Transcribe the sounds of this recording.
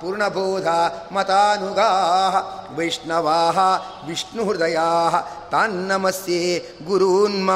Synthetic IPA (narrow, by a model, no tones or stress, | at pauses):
puːɾɳɐbʱoːd̪ʱaːmɐt̪aːnuɡaːɦɐʋɐjʂnɐʋaːɦɐ | ʋiʂnuɾd̪ɐjaːɦɐ̆t̪aːnːɐmɐsjeː | ɡuɾunma